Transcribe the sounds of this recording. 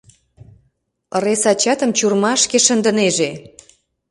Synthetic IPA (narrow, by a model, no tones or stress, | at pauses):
əɾesɑt͡ɕɑt̪əmt͡ɕurmɑʃkeʃənd̪ə̆neʒe